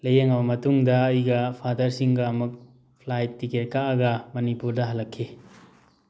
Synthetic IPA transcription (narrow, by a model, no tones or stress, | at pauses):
lɐjeŋɐbɐmɐtuŋdɐːjɡɐpʰadɐɾsiŋɡaːmɐk̚ | pʰlajtːiket̚kaɐɡɐmɐnipuɾdɐɦɐlːɐkʰːi